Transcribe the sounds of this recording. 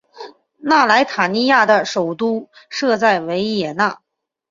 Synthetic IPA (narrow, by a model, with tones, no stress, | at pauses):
na˥˩la˧˥ɪt̪ʰa˨˩ni˥˧ja˥˩d̪ə˩ʂo˨˩ʊt̪u˥ | ʂɤ˥˧t͡sa˥˩ɪwe˧˥ɪjɛ˨˩na˥˩